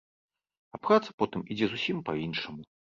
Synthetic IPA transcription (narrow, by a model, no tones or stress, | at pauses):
apɾat̪sɐ̥pɔt̪ɨmid͡zʲɛzusʲimpɐinʂɐmu